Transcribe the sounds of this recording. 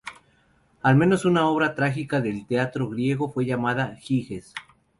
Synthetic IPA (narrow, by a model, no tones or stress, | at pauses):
almẽ̞no̞sunao̞βɾat̪ɾaxikaðe̞lt̪eat̪ɾo̞ɣɾje̞ɣo̞fwe̞ʝamaðaxixes